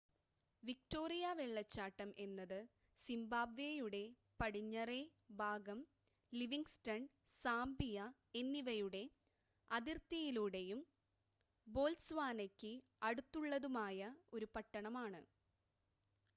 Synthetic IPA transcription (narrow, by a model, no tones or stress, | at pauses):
ʋik̚to̞ːrijɐʋeɭːɐt͡ɕːaːʈːɐmʔe̞nːɐðɨ | simbaːbʋejuɽe̞ | pɐɽiɲːɐrebʱaːɡɐm | liʋiŋɡstɐn | saːmbijɐ | enːiʋɐjuɽe̞ | ɐðirt̪ɐjiluɽe̞jum | bo̞ːlsʋaːnɐkʲːɨ | ɐɽut̪ːuɭːɐðumaːjɐo̞ɾupɐʈːɐɳɐmaːɳɨ̰